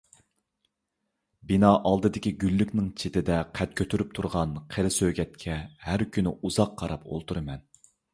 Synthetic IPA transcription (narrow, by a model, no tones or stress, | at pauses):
binɑːʔɑlˠd̪ɨd̪ɪkʲiɡʲylːykʲnɪŋt͡ʃʰet̪ɪd̪ɛqʰæt̪̚kʲʰøt̪ʰyɾyp̚t̪ʰuɾʁɑnqʰeɾɪsøɡʲɛt̪̚kʲʰɛhæɾkʲynɪuzɑqʰːɑɾɑpo̰lˠt̪ʰuɾɨmɛn